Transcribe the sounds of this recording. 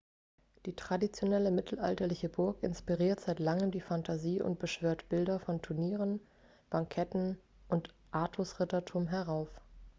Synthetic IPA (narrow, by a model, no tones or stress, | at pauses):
d̥iːtʁ̥adit͡sjonɛləmɪtʰl̩ʔa̰ltɐlɪçəbʊɐkɪ̰nspiʁiːɐtz̥aɪtlaŋəmdiːfantʰaziːʔʊ̰nt̚b̥əʃv̥øːɐtb̥ɪldɐfɔntʰʊɐniːʁən | b̥aŋkʰɛtn̩ | ʔʊnt | ʔaːtʰʊsʁɪtɐtʰuːmɦɛɐʁaʊf